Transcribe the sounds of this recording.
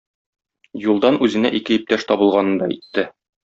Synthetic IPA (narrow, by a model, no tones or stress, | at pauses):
julˠd̪ɑnʉzɘ̆næʔikɘip̚t̪æʃt̪ɒbɤ̆lˠʁɑnɤ̆nd̪ɑḭt̪ːɘ